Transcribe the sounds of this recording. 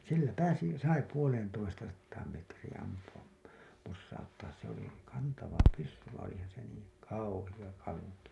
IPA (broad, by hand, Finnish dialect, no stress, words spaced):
silːæ pæːsi sɑi puoleːntoistɑsɑtːɑːm metriːĩ ɑmpuɑp posːɑutːɑːs se oli kɑntɑʋɑ pysːy ʋɑĩː olihɑhɑn se niːŋ kɑuhij̆ɑ kɑŋki